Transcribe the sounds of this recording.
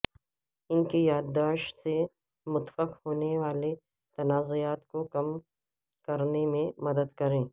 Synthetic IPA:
ɪnkejaːd̪d̪aːʃse | mʊt̪fəqhoːneʋaːle | t̪ɐnaːzojaːt̪kokɐm | kɐɾnemẽmɐd̪əd̪kɐɾẽː

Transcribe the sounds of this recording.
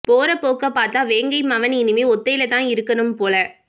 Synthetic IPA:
poːɾɐpoːkɐpaːɾt̪aːʋeːŋɡɐɪmɐʋɐnɪnɪmeːɔt̪ːɐjɪlɐt̪ãːɪɾɯkːɐnɯmpoːlɐ

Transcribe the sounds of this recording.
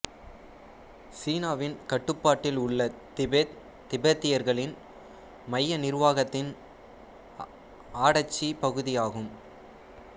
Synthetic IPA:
siːnaːʋɪnkɐʈːɯpːaːʈːɪlʊɭːɐ | t̪ɪbɐt̪ːɪjɐɾɣɐɭɪn | mɐjːɐnɪɾʋaːɣɐt̪ːɪn | aːɽɐt͡ʃːipɐɣɯðɪjaːɣɯm

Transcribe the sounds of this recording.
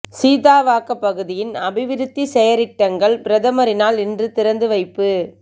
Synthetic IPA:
siːðaːʋaːkɐpːɐɣɯðɪjɪnɐbɪʋɪɾɯt̪ːisɛjɐɾɪʈːɐŋɡɐɭpɪɾɐðɐmɐɾɪnaːlɪndrɯt̪ɪɾɐnd̪ɯʋɐɪpːɯ

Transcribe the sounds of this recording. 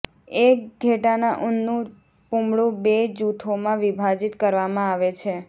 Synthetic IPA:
ek̚ɡʱeʈanaʔʊnːũ | pumɭũbed͡ʒut̪ʰomãʋibʱad͡ʒit̪kəɾʋamãaʋet͡ʃʰe

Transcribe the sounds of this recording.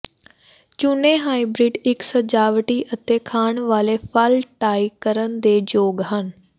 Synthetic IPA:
t͡ʃʊnẽːɦaːibɾiːɖɪksəd͡ʒaːʋʈiːʔət̪eːkʰaːɳʋaːleːpʰəlʈaːikəɾənd̪eːd͡ʒoːɡɦən

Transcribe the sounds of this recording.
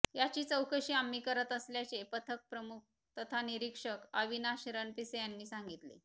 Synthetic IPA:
jat͡ɕiːt͡səwkəɕiːamːikəɾət̪əsljat͡ɕepət̪ʰək̚pɾəmuk̚ | t̪ət̪ʰaniɾikʂəkəʋinaɕɾənpisejanːiːsãŋɡit̪lḛ

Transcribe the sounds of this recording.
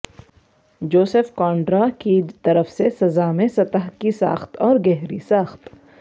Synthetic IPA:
d͡ʒoːsefkɔːɳɖɾakit̪ɐɾəfsesɐzaːmẽsɐt̪aɦkisa̰ːxt̪ɔːɾɡɛɦɾisaːxt̪

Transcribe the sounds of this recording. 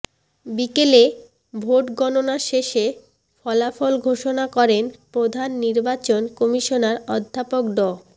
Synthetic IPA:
bikele | bʱoʈɡɔnonaʃeʃe | fɔlafɔlɡʱoʃonakɔɾenpɾod̪ʱanːiɾbat͡ɕonkɔmiʃonaɾɔd̪ʱːapok̚ɖɔ

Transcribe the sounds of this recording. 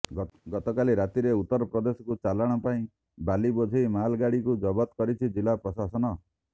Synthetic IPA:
ɡɔt̪ɔkaliɾat̪iɾeut̪ːɔɾɔpɾɔd̪esɔ̥kut͡ʃalaɽ̃ɔpaĩ | balibod͡ʒʱiimalɡaɽikud͡ʒɔbɔt̪kɔɾit͡ʃʰid͡ʒilapɾɔsasɔnɔ

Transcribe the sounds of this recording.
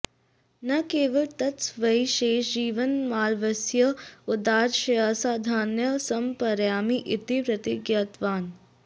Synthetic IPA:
nɐkeːʋɐɭt̪ɐtsʋɐiʃeːʃd͡ʒiːʋɐnmaːlʋɐsjɐʊd̪aːɾʃɐjaːsaːd̪ʱaːnjɐsɐmpɐɾjaːmiʔɪt̪ipɾɐt̪iɡjaːt̪ʋaːn

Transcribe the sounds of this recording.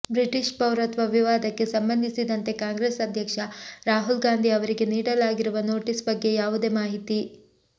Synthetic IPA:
bɾiʈiʃpɐwɾɐt̪ʋɐʋiʋaːd̪ɐkːe̞sɐmbɐnd̪ʱisid̪ɐnt̪e̞kaːŋɡɾeːsɐd̪ʱjɐkʂɐɾaːɦulɡaːnd̪ʱiɐʋɐɾiɡe̞niːɽɐlaːɡiɾuʋɐno̞ːʈisbɐɡːe̞jaːʋud̪eːmaːɦit̪i

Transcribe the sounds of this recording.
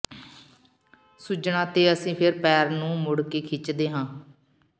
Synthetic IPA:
sud͡ʒɳãːt̪eːəsĩːpʰɪɾpɛːɾnũːmʊɽkeːkʰɪt͡ʃd̪eːɦãː

